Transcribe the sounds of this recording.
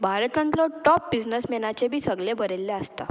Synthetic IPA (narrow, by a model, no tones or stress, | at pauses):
bʱaɾət̪ãnt̪lɔʈɔp̚bid͡znəsmɛnat͡ɕebʱiːsəɡlẽbʱəɾelːeəst̪a̰